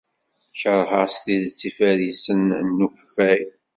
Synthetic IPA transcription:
çəɾˤhəʁst̪iðt͡sːifæɾisənnːufæj

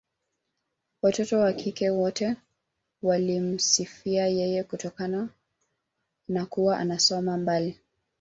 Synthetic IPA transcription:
watɔtɔwakʰikɛwɔtɛ | walim̩sifiajɛjɛkutɔkana | nakuwaʔa̰nasɔmambali

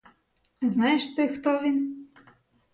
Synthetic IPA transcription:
znɑjeʃt̪ɪxt̪ɔʋʲin

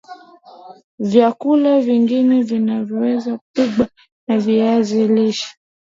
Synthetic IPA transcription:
vjakulaviŋɡinɛvinavjɔwɛzapiɡ͡ba | naviaziliʃḁ

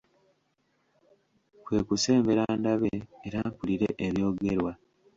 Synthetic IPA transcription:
kwe̞ːkuse̞ːmbe̞ɾaːndaβeːɾakuliɾe̞̰ʔeβjo̞ːɡe̞ɾwa

